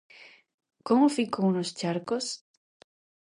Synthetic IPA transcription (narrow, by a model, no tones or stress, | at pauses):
komofikownost͡ʃaɾkos